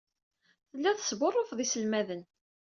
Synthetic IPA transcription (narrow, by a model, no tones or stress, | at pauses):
θəlːæθəsborˤːofðˤisəlmæðən